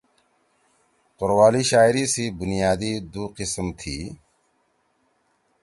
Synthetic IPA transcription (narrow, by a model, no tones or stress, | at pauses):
qʊɾwaːliːʃaːɪɾiːsibʊnijaːd̪iːd̪uːqɪsəmt̪ʰḭː